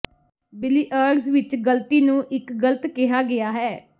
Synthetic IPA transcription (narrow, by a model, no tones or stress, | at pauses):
bɪliːʔəːɾɖsʋɪt͡ʃɡəlt̪iːnũːʔɪkɡələt̪kɪɦaːɡɪjaːɦɛː